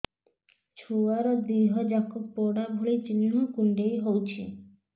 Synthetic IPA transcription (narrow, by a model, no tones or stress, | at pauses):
t͡ʃʰuwaɾɔd̪iɦɔd͡ʒakːɔk̚pɔɽabʱoɭit͡ʃiniɳukuɳɖejɦowt͡ʃʰi